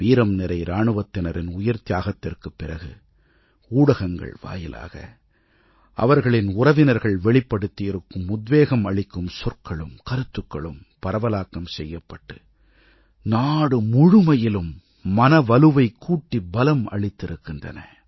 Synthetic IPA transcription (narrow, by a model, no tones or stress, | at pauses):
ʋiːɾɐmnɪɾɐɪɾaːɳɯʋɐt̪ːɪnɐɾɪnʊjɐɾt̪ɪjaːɣɐt̪ːɪrkɯpːɪrɐɣɯ̰ | uːɽɐɣɐŋɡɐ̰ɭʋa̰ːjɪ̰lʔa̰ːɣɐ̰ | ʔɐ̰ʋɐɾɣɐɭɪnʊrɐʋɪnɐɾɣɐɭʋɛɭɪpːɐɽɯt̪ːɪjɪɾɯkːɯmʊd̪ʋeːɣɐmɐɭɪkːɯmsɔrkɐɭɯmkɐɾɯt̪ːɯkːɐɭɯm | pɐɾɐʋɐlaːkːɐmsɛjːɐpːɐʈːɯ | naːɽɯmʊɻʊmɐjɪlɯmː | ɐnɐʋɐlɯʋɐɪkʰːuːʈːibɐlɐmɐ̰ɭɪt̪ːɪɾɯkːɪndrɐ̰nɐ̰